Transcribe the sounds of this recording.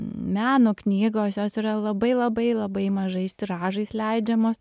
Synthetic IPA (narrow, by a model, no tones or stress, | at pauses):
mʲæːnʊknʲiːɡoːsjoːsiːɾɐlˠɐbɐɪlˠɐbɐɪlˠɐbɐɪmɐʒɐɪʃʲt̪ʲɪɾɑːʒɐɪslʲɛɪd͡ʒʲɛmoːs